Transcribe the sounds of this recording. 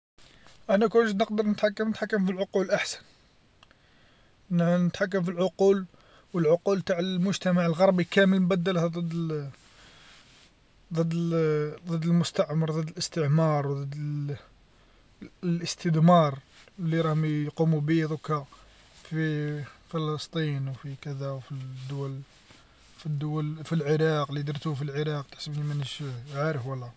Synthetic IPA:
ʔænækwʒəd̪nəqd̪əɾˤnət̪ħakːəmnət̪ħakːəmfilʕoqulʔaħsə̥n | nnət̪ħak̬ːəmfilʕoqul | wəlʕʊqult̪aʕəlmʊʒt̪æmaʕəlɣɑɾˤbikæməlmbæd̪ːəlhæd̪ˤəd̪ː | d̪ˤəd̪ːd̪ˤəd̪ːəlmʊst̪aʕmɑɾˤd̪ˤəd̪ːələst̪əʕmɑɾˤwd̪ˤəd̪ | lʔəst̪əd̪mɑɾˤlːiɾˤɑhmjqumubid̪ˤukɑ | fifələst̪ˤinwfikæd̪æwfid̪ːʊwæl | fid̪ːʊwælfilʕəɾˤɑqlid̪əɾt̪ufilʕəɾˤɑqt̪ə̥ħsəbnimənəʃʕaɾəfwəlːæ

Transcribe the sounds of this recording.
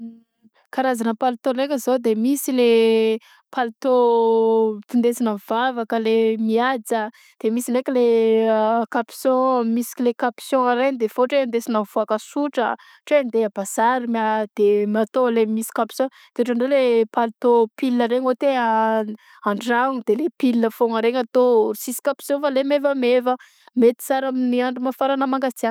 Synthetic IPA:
kaɾazanəpalut̪onekʲəzod̪emisile | pʰalit̪o | t̪ind̪esinav̥avakəlemiad͡zə | d̪̥emisinekʲəle | kapi̥sõmisi̥klekapsjɔ̃aɾenid̪efoʈ͡ʂeand̪esinəvuakəsuʈ͡ʂə̰ | ʈ͡ʂend̪eabazaɾimad̪̥emat̪olemisi̥kapi̥sjɔ̃ | t̪eoʈ͡ʂaɳɖ͡ʐelepalit̪opiliəɾeɲot̪ea | aɳɖ͡ʐaŋud̪̥elepilinəfoŋaɾeɲat̪orisisi̥kapi̥sjɔ̃falemevəmevə | met̪i̥t͡saɾaminiaɳɖ͡ʐimafaɾanəmaŋɡad͡zian

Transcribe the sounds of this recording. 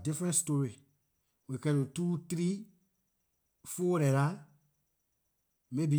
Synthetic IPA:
difɾɛ̃nstoɾi | wekɛɾotuːtɾi | folɛla | mẽbi

